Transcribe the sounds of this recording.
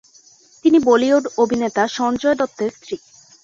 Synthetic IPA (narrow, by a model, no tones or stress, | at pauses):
t̪inibolioɖobʱinet̪aʃɔnd͡ʑɔed̪ɔt̪ːeɾst̪ɾi